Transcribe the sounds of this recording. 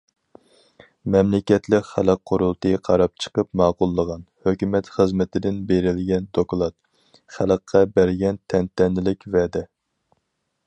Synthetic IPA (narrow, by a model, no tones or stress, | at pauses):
mɛmlɪkʲɛt̪lɪkʲχæləqʰːʊɾulˠt̪ɨqʰɑɾɑp̚t͡ʃʰə̥qəpmɑːqʊlˠːəʁɑnhøkʲymɛt̪χəzmɪt̪ʰɪd̪ɪnbeɾɪlɡʲɛnd̪oklˠɑt̪̚ | χælˠəqʰːɑbæɾɡʲɛnt̪ʰɛnt̪ɛnːɪlɪkʲvɛd̪ɛ